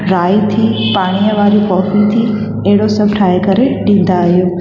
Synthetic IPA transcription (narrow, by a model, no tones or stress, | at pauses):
ɾaːit̪ʰipaːɽ̃ijəʋaːɾikɔːfit̪ʰi | ɐɦɪɽosɐbʱʈʰaːjekɐɾeɗĩːnd̪aːɦijoː